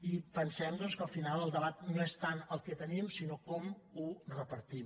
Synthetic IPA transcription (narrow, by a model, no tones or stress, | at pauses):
ipənsɛmd̪ɔnskəlˠfinalˠəlˠd̪əβat̪noest̪anəlˠkɛt̪ənimsinokɔmurəpəɾt̪im